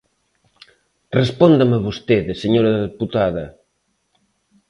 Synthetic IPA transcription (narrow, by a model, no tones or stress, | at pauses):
respɔnd̪amaβost̪eðeseɲoɾɐððeput̪aðɐ